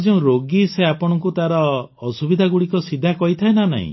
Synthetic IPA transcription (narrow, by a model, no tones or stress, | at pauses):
d͡ʒeũɾoɡiseapɔɽ̃ɔŋkut̪aɾɔː | subid̪ʱaɡuɽikɔsid̪ʱakɔɦit̪ʰaenana̰ɦḭ̃